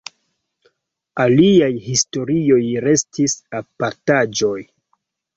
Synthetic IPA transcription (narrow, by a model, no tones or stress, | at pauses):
aliajhisto̞ɾio̞jɾe̞stisapaɾtad͡ʒo̞j